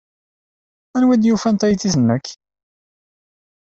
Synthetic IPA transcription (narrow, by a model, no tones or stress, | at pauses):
ænwæd̪jufænt̪ˤæjθiθənːəkː